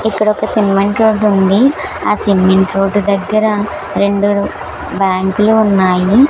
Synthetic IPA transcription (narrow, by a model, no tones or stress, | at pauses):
ikːɐɽɔkɐsimːeɳʈɾoːɖund̪iaːsimːeɳʈɾoːɖd̪ɐɡːɐɾɐ | ɾe̞ɳɖu | baːŋkluːnːaːji